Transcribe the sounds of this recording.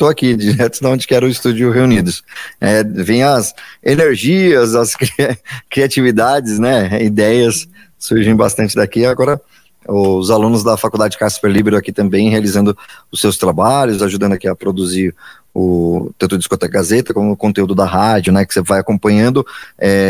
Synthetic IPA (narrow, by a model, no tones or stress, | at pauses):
t̪oakid͡ʒiɾɛt̪ʊd̪ɐõd͡ʒɪkɪɛɾʊɪst̪ud͡ʒʊɦeunid̪ʊsɛvẽj̃ɐzeneɾʒiɐzɐskɾikɾiat͡ʃivid̪ad͡ʒɪsnɛid̪ɛjɐsː | uɾʒẽj̃bast̪ɐ̃nt͡ʃɪd̪akiaɡɔɾɐ | ʊzalũnʊzd̪ɐfakuwd̪ad͡ʒɪd͡ʒɪkasfeɾlibeɾʊakit̪ɐ̃mbẽj̃healizɐ̃nd̪ʊʊsewst̪ɾabaʎʊzaʒud̪ɐ̃nd̪ʊakiɐpɾod̪uziɾ | ʊt̪ɐ̃t̪ʊd͡ʒiskot̪ɛkɡazet̪ɐkõmʊːkõnt̪eud̪ʊd̪ɐɦad͡ʒʊnɛkɪ̥sevajakõpɐ̃ɲɐ̃nd̪ʊɛ